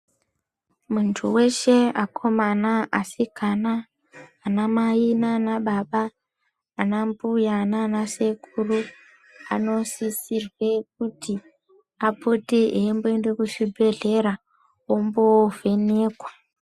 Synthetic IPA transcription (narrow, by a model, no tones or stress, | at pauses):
muntʰṵwe̞ʃe̞akʰo̞manaʔasikanaː | namainanaɓaɓaː | nambujananase̞kʰuru | ano̞sisirwe̞k̚uti | apoteʔembo̞ende̞kuʃibʱe̞ɮe̞ɾa | ombove̞ne̞ːkwa